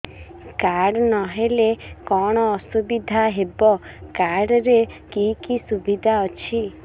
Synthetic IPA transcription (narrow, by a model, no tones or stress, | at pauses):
kaɽnɔɦelekɔɽ̃ɔːsubid̪ʱaɦebɔkaɽɾekikisubid̪ʱaɔt͡ʃʰi